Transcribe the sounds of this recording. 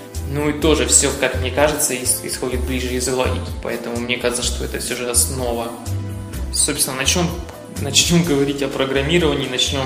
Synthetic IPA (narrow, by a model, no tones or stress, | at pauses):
nuɪt̪o̞ʐɨfsʲokakmnʲe̞kaʐɨt̪səɪsxo̞dʲɪt̪̚blʲiʐɨɪzɐɣlˠɐ̰lʲḭkʲpɐ̰ɛt̪əmʊmnʲe̞kaʐɨt̪səʂt̪o̞ɛt̪əfsʲo̞ʐɨɐsno̞və | so̞pst̪ʲnənɐt͡ɕnʲo̞m | nɐt͡ɕnʲo̞mɡəvɐɾʲitʲɐpɾəɡɾɐmʲiɾəvənʲɪːnɐt͡ɕnʲo̞m